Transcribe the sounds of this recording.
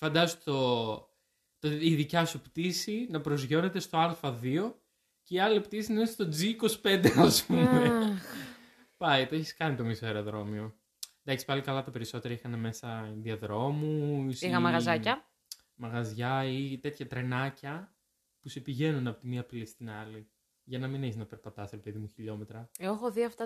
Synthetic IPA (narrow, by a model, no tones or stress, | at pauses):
fɐnd̪ɐzot̪o | t̪oiðicɐsupt̪isinɐpɾozʝo̞ne̞t̪e̞st̪o̞ɐɾfɐðio̞ | ceiɐliept̪isinɐest̪od͡ziːko̞si̥pe̞nd̪e̞ɐspume | pɐit̪oeçiskɐnit̪o̞miseɾoðɾo̞mio̞ | nd̪ɐksi̥pɐlikɐlɐt̪ɐpe̞ɾiso̞t̪e̞ɾɐixɐne̞me̞sɐðiɐðɾo̞musixɐmɐɣɐzɐcɐ | mɐɣɐzʝɐit̪e̞t̪çɐt̪ɾe̞nɐcɐ | puse̞piʝe̞nunɐpot̪imiɐpilist̪inɐli | ʝɐnɐmineçeznɐpe̞ɾpɐt̪ɐsɾe̞pe̞ðimuçiʎo̞me̞t̪ɾɐoxoðiɐft̪ɐ